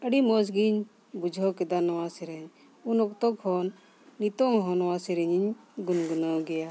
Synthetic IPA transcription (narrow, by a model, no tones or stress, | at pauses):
əɖimɔsɡiɲ | bud͡ʒʱɔkɛd̪anɔwasɛɾɛɲ | unɔkt̪ɔkhɔnː | it̪ɔŋɦɔnɔwasɛɾɛɲiɲɡunɡunɔɡɛja